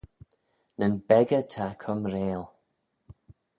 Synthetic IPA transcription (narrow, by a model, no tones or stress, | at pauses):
nənbɛɡətʰakʰʊmɾeːl